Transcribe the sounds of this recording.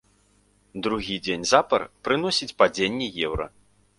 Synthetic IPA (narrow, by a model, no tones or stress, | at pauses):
d̪ɾuɣʲid͡zʲenʲzapɐrpɾɨnɔsʲit͡sʲpad͡zʲenʲːɛjɛwɾɐ̰